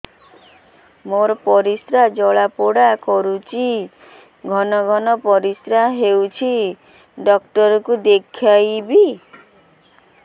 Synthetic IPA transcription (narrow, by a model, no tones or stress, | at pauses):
moɾɔpɔɾisɾad͡ʒɔɭapoɽakɔɾut͡ʃʰi | ɡʱɔnɔɡʱɔnɔpɔɾisɾaɦewt͡ʃʰi | ɖɔk̚ʈɔɾɔkud̪ekʰajbi